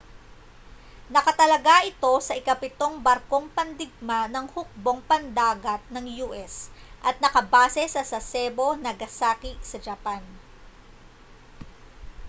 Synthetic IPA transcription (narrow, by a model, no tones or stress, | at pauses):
nɐkɐt̪ɐlɐɡaʔɪt̪o̞sɐʔɪkɐpɪt̪o̞ŋbɐɾko̞ŋpɐnd̪ɪɡ̚manɐŋhʊk̚bo̞ŋpɐnd̪aːɡɐt̪̚nɐŋjuːʔɛsʔɐt̪̚nɐkɐbaːsɛsɐsɐsɛbo̞nɐɡɐsaːkiʔsɐd͡ʒɐpan